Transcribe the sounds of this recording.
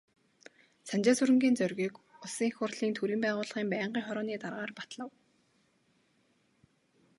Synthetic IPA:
sant͡ɕaːsuɾɘ̆ŋɡʲiːnt͡sœrʲɣʲikʊsĭːŋxʊrɮiːnt̪ʰuɾiːmpæːʁʊːɮ̆χiːmpæːɴɢiːχɔɾɔːniːt̪arʁaːrpḁt̪ɮə̆w

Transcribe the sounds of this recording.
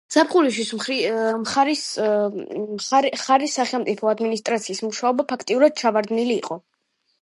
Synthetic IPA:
z̥apχʼuliʃwismχɾimχaɾis | aχaɾisːaχɛlˠmt̪sʼipʰɔad̪minist̪ʼɾat̪sʰiːsmuʃaɔbapʰakʰt̪ʼiuɾad̪̥̚t͡ʃʰavaɾd̪niliːqʼɔ

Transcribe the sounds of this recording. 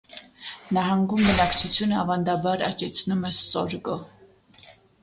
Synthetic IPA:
nɑɦɑŋɡumbənɑkt͡ʃʰut͡sʰjunəɑvɑnd̪ɑbɑɾɑ̰t͡ʃɛt͡sʰnumɛsɔɾɡɔ

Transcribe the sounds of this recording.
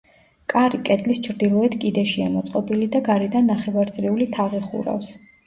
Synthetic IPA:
kʼaɾikʼɛd̪list͡ʃʰɾd̪ilˠɔɛt̪ʰkʼid̪ɛʃiamɔt̪sʼqʼɔbʼilid̪aɡaɾɛd̪anːaχɛvaɾd̪zɾiulit̪ʰaʁiχṵɾa̰fs

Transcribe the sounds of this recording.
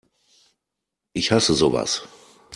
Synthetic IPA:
ʔɪçhasəzoːva̰s

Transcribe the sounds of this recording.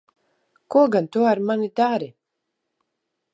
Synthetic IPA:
kuɔɡant̪uɔaɾmanid̪aːɾi

